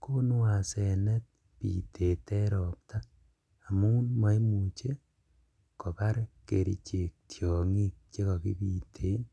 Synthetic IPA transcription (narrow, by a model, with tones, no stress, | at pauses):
ko˦n˦wa˨sɛ˨nɛ˦t̚ | pḭ˨te˨tɛ˦ɾɔ˨p̚ta˦ | a˨mu˦u˦nma˦jmu˨t͡ʃe˦ | ko˨ka˦ɾkḛ˨ɾḭ˨t͡ʃe˨k̚tʰjɔ˨ŋi˦k̚t͡ʃe˦kɔ˨ki˦pi˨tʰe˨˦n